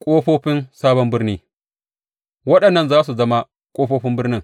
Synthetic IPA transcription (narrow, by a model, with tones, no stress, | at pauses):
kʷʼoː˦ɸoː˦ɸɪ˦nsaː˦bɐ˦mbɪ˦ɾniː˦ | wɐ˦ɗɐ˨nːɐ˦˨nzaː˦s̬u˨zɐ˦ma˦ | kʷʼoː˦ɸoː˦ɸɪ˦mbɪ˦ɾnɪ˦˨ŋ